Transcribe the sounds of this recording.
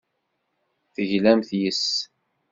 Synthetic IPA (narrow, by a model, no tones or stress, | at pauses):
θəʝlæmθjəs